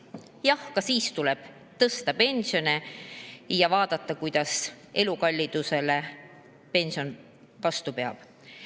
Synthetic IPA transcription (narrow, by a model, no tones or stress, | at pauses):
jɑhkɑsiːst̪ulɛb̥ | t̪ɤst̪ɑpe̞nsio̞ne | jɑvɑːd̪̥ɑt̪ˑːɑkujd̪̥ɑs | e̞lukɑlʲːid̪̥use̞le̞ | pe̞nsio̞n | vɑst̪upe̞ɑ̰b̥